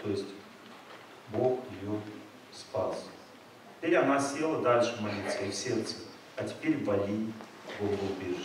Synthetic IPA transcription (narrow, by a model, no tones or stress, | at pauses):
t̪ojɪsʲtʲ | boxjɪjo | spas | tʲɪ̥pʲeɾʲɐnasʲe̞lˠəd̪alʲʂɨmɐlʲit̪səifsʲe̞rt̪sə̥ | ɐtʲɪ̥pʲeɾʲvɐlʲinʲ | boɡobʲeʐɨ